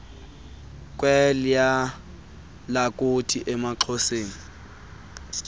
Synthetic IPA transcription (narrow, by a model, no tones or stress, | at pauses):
kʼwɛlja | lakʼʊtʰiʔɛmaǁʰɔseːŋ̩